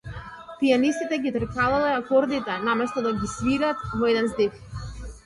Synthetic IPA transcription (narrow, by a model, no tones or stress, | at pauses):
pianist̪it̪ɛɡʲit̪r̩kalalɛakɔɾd̪it̪ɛnamɛst̪ɔd̪aɡʲisviɾat̪vɔɛd̪ɛnzd̪if